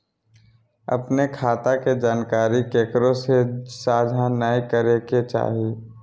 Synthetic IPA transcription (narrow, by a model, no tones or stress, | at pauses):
ɐ̰pnekʰaːt̪aked͡ʒaːnkaːɾikeːkəɾõsesaːd͡ʒʱanaːikəɾeket͡ʃa̰ːɦi